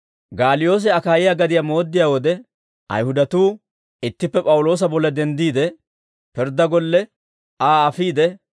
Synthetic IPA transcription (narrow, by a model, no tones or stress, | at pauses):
ɡaːlɪjo̞ːs̬ɛɐkaːjɪjaɡɐd̪ɪjamo̞ːd̪ːɪjawɔd̪ɛ | ʔɐ̰jhʊd̪ɐt̪uː | ɪt̪ːɪpːɛpʼɐwʊlo̞ːs̬ɐbɔlːɐd̪ɛnd̪iːd̪ɛ | pɪɾd̪ːɐɡɔlːɛ | aːɐfiːd̪ɛ